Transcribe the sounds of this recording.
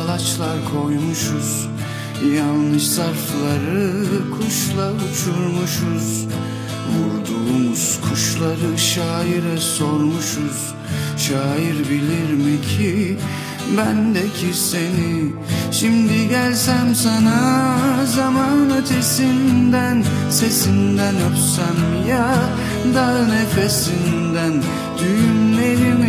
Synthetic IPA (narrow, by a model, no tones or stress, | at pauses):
lˠat͡ʃlˠaɾkʰo̞jmuʃuz̥ | janˠːɯʃzaɾflˠaɾɯkʰuʃlˠaut͡ʃʰuɾmuʃuz̥ | vuɾd̪uːmuz̥kʰuʃlˠaɾɯʃaːjiɾɛso̞ɾmuʃuz̥ | ʃaːjiɾbilʲiɾmicʰi | bænd̪ɛcʰiseni | ʃimd̪iɟælʲsæmsanazamanat̪ʰesind̪æn | se̞sind̪ænøp̪sæm | ja | d̪ane̞fesin | d̪æn | d̪̥yjymle̞ɾim